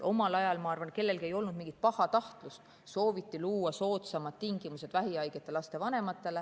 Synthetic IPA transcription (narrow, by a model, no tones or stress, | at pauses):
ʔo̞mɑlɑjɑlmɑɑrvɑnke̞lːe̞lkie̞jo̞lnud̪̥miŋɡ̥it̪̚pɑhɑt̪ɑht̪lust̪ | so̞ːvit̪ˑːiluːɑso̞ːt̪sɑmɑd̪̥t̪iŋɡ̥imuse̞d̪væɦiɑjɡ̥et̪ːˑe̞lɑst̪e̞vɑne̞mɑt̪ːˑe̞le